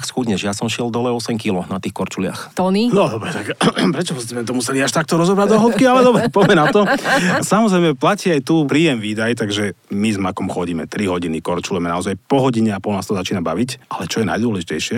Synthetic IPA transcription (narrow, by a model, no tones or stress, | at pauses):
ksxuɲɛʒjasɔmʃɪɛld̪ɔlɛɔsɛmkilɔnat̪iːxkɔɾt͡ʃulɪa̰xt̪ɔninɔd̪ɔbɾɛt̪akpɾɛt͡ʃɔpɔzmɛɛt̪ɔmusɛliaʃt̪ak̚t̪ɔɾɔzɔbɾaɟd̪ɔɦɔp̚kialɛd̪ɔbɾɛpɔjmɛnat̪ɔasamɔzɾɛjmɛplaciajt̪upɾiːjɛmʋiːd̪ajt̪aɡʒɛmizmakɔmxɔɟiːmɛ̰t̪ɾiɦɔɟinikɔɾt͡ʃulujɛmɛnaɔzajpɔɦɔɟiɲɛapɔlnaːst̪ɔzat͡ʃiːnabaʋicʔalɛt͡ʃɔjɛna̰jd̪ʊɔlɛʒicɛjʃɪɛ